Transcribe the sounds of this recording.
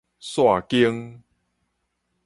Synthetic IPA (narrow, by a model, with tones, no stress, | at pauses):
swa˥˨ki˦əŋ